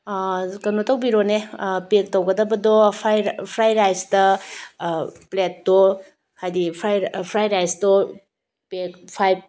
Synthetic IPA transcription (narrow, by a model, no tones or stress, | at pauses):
kɐnotʰɐwbiɾonepek̚tɐwɡɐdɐbɐdɔpʰajɾpʰɾajɾajstɐ | pletːo | kajdipʰɾajpʰɾajɾajsto | pekpʰaj̚